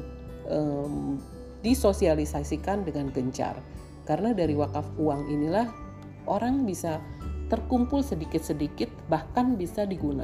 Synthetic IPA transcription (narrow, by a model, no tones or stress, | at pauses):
ʔəm | disosialisasikandəŋanɡəɲt͡ʃa̰r | kaɾənadaɾiwakafuaŋinilah | ʔoɾaŋbisat̪ərkumpʊlsədikɪt̪̚sədikɪt̪̚bahkanbisadiɡuna̰